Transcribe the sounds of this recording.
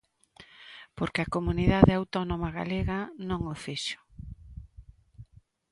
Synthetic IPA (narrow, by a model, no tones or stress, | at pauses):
poɾkeɐkomuniðaðeawt̪ɔnomaɣa̰leɣɐnõŋofiʃʊ̥